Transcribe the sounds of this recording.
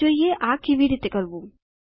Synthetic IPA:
oːijeʔaːkiʋiɾit̪ekɐɾbu

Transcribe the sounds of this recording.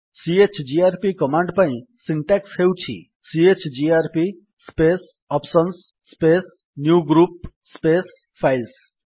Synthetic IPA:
siet͡ʃd͡ʒiaɾpikɔmaɳɖpaĩsiɳʈɛkshewt͡ʃʰḭ | siet͡ʃd͡ʒiaɾpi | spes | ɔpsənsː | pes | njuɡɾup̚ | spes | pʰajls

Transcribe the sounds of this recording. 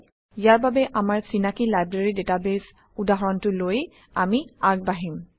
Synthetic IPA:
ijaɹbabɛʔamaɹsinakilajbɹeɹidetabes | udaɦɔɹɔntʊloj | amiaɡ̚baɦim

